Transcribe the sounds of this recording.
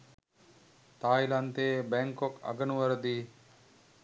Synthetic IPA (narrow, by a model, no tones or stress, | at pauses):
t̪aːjlant̪eːbɛŋkokɐ̰ɡənuʋəɾəd̪iː